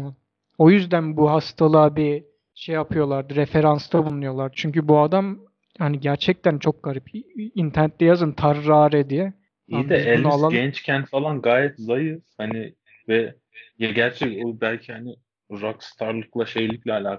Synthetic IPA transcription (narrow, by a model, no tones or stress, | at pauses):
man | o̞jyzd̪ænbuɦast̪ʰalˠaːbi | ʃejapʰɯjo̞lˠaɾd̪ɯɾefe̞ɾanst̪ʰabunːujo̞lˠaɾd̪ɯt͡ʃʰyɲcybuad̪am | haniɟæɾt͡ʃʰɛc̚t̪ʰænt͡ʃʰo̞k̚ɡ̥aɾipint̪ʰæɾnɛt̪lʲɛjazɯnt̪ʰaɾːaːɾɛd̪ijɛ | iad̪ɛɛlalˠaɛnt͡ʃcʰɛnt̪ʰfalˠanɡaːjɛt̪zajɯhanɪ | vɛ | jaɟæɾt͡ʃʰɛcobælʲcʰihanɪ | ɾakst̪ʰaɾlˠɯklˠaʃejlʲicʲlʲɛalʲaːk